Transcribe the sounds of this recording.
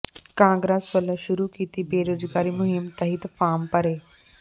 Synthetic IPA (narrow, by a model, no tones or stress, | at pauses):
kãːŋɡɾaːsʋɐlʃʊɾukiːt̪ibeːɾoːzɡaːɾimʊɦɪmt̪ɐɦit̪faːmpɐɾeː